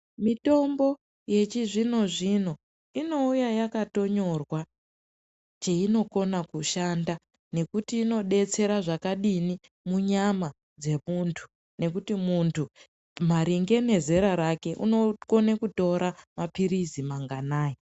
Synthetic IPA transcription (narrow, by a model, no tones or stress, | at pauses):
mito̞mbo̞ | je̞t͡ʃiʐino̞ʐino̞ | ino̞ujajakato̞ɲo̞rwa | t͡ʃeino̞ko̞nakuʃanda | ne̞kutiːno̞ɗe̞t͡se̞ɾaʐakaɗini | muɲama | d͡ze̞muntʰu̥ | ne̞kutimuntʰu | m̤aɾiŋɡe̞ne̞ze̞ɾaɾake̞ʔunoko̞nekuto̞ɾamapiɾizimaŋɡanaːji